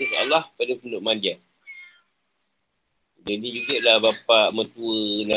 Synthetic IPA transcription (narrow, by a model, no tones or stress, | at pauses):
əsa̰lahpadapənʊʔmãndian | d͡ʒadid͡ʒuɡəʔlabapaʔmə̃t̪uəna